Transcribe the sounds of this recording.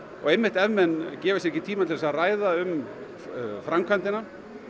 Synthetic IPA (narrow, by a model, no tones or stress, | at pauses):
ɔ̰ɣejmːɪht̪ɛvmɛnːcɛːvɪs̬ɛcːɪt̪ʰiːmat̪ɪɛsaraːjðaʏm | fɾamkʰant̪ɪna